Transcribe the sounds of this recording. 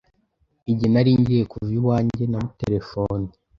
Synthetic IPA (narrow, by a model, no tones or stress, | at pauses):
iɟinaɾiɲɟijekuvjuwaːɲɟe̞namuteɾe̞foni